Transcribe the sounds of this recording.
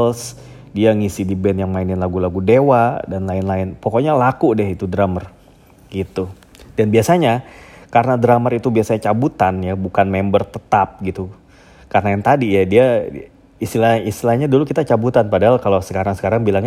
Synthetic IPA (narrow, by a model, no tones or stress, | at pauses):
s | diaŋisidibɛnjaŋmaɪnɪnlaɡulaɡudewadanlaɪnlaɪnpɔkɔɲalakudɛɦit̪udɾamər | ɡit̪u | danbiasaɲakaɾənadɾamərit̪ubiasaɲat͡ʃabut̪anjabukanmɛmbərt̪ət̪ap̚ɡit̪u | kaɾənajaŋt̪adijadia | ist̪ilaist̪ilahɲadulukit̪at͡ʃabut̪anpadaɦalkalosə̥kaɾaŋsə̥kaɾaŋbilaŋ